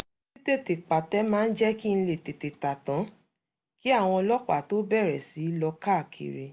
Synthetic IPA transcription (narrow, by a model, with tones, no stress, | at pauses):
si˦te˦˨te˨k͡pa˨tɛ˨˦mãː˦˧˦n̩˦d͡ʒɛ˦ki˦n̩˧le˨te˨te˨ta˨tã˨˦ | ki˦a˦˨w̃ɔ̃˧lɔ˦k͡pa̰˦˨to˨˦bɛ˦˨ɾɛ˨si˨˦lɔ˧ka˦˨kʰḭ˨ɾe˧